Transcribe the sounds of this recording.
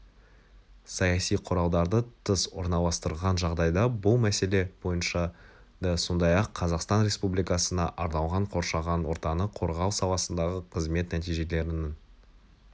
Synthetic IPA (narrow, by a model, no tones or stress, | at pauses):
sɑjɑsijqʰʊɾɑlˠd̪ɑɾd̪ət̪ʰəswoɾnɑlˠɑst̪əɾlˠʁɑnʒɑʁd̪ɑjd̪ɑbʊlˠmæse̞le̞bo̞jənʃɑ | d̪ɑso̞nd̪ɑjɑqʰːɑzɑqst̪ɑnɾe̞spublijkɑsənɑʔɑɾnɑwˠʁɑɴqʰo̞ɾʃɑʁɑnwo̞ɾt̪ɑnəqʰo̞ɾʁɑlˠsɑlˠɑsənd̪ɑʁəqʰəzme̞t̪næt̪ijʒe̞le̞ɾɪnɪn